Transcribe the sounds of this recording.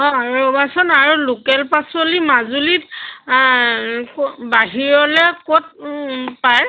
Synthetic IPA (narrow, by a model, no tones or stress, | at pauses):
ɔ̃aɹubasɔnaɹulukɛlpasolimazulit | kbaɦiɹɔlɛkot̚paj